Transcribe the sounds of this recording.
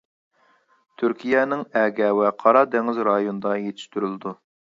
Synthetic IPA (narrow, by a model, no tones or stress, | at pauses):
t̪ʰyɾkʲʰijɛnɪŋɛːɡʲɛwɛqʰɑɾɑd̪ɛŋɪzɾɑjonɨd̪ɑjet̪ʰɪ̥ʃt̪yɾylˠɪd̪u